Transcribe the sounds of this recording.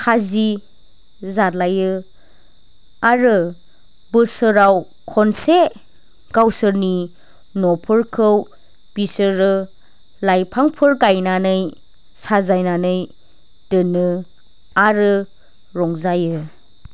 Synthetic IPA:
kʰazi | zatlajɯ | aɾɯ | bɯsɯɾaw | kʰɔnse | ɡ̥awsɯɾni | nɔpʰɯɾkʰɯw | b̥isɯɾɯ | lajpʰaŋpʰɯɾɡajnanɯj | sazajnanɯj | d̥ɯnɯ | aɾɯ | ɾɔŋzajɯ

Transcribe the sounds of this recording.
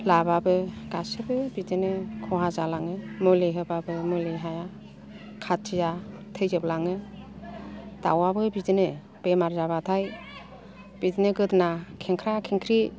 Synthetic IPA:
lababɯɡ̥asɯbɯbidɯnɯkʰɔɦazalaŋɯmɯleɦɯbabɯmɯleɦaja | kʰatʰizatʰɯjzɯblaŋɯ | da̰wabɯbidɯnɯ | b̥emaɾzabatʰaj | b̥idinɯɡɯdnakʰeŋkʰɾakʰiŋkʰɾi

